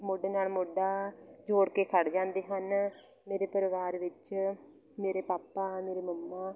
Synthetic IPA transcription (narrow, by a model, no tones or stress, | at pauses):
mʊɖeːnaːlmʊɖaːd͡ʒoːɽkeːkʰəɽd͡ʒãːnd̪eːɦən | meːɾeːpəɾɪʋaːɾʋɪt͡ʃ | meːɾeːpaːpːaːmeːɾeːməmːaː